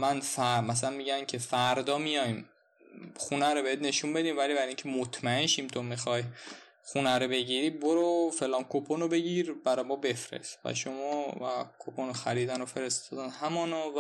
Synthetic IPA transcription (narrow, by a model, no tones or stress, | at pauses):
mænfæɾmæs̬ælænmiɟæncʰe̞fæɾd̪ɒːmijɒjm | xunæɾobehet̪ne̞ʃunbe̞d̪iːmvæliːbæɾiŋcʰemot̪ʰmæenʃimt̪ʰomixɒːj | xunæɾobe̞ɟiːɾiːboɾofe̞lɒːnkʰopʰonobe̞ɟiɾbæɾɒjmɒːbe̞fɾḛst̪væ̰ʃomɒːvæ̰kʰopʰonoxæɾiːd̪ænofe̞ɾest̪ɒːd̪ænhæmɒːnov